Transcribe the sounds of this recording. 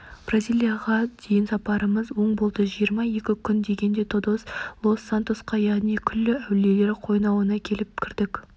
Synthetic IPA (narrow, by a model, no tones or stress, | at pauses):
b̥razʲilʲˠijaʁɑd̪̥e̞jɪnsɑpɑɾəməzwo̞ɴbolˠd̪əʒijəɾmɑje̞kʲɪkʲʰʏnd̪e̞ɡʲe̞nd̪e̞t̪ʰod̪oslˠo̞sːant̪osqɑjɑʁnijkʲʰʏlːɪæwle̞le̞ɾqʰo̞jnɑwənɑkʲʰe̞lɪp̚kʲʰɪɾd̪ɪkʲ